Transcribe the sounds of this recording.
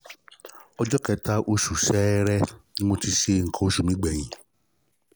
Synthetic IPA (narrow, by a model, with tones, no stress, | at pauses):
ɔ˧d͡ʒɔ˦kɛ˧˦ta˦ʔo˧ʃu˨sɛ˦ɾɛ˦nĩ˦mo˧ti˧ʃe˧ŋ̩˨kɔ̃˨˦o˨˦ʃu˨mĩ˨˦ɡ͡bɛ˨j̃ĩ˨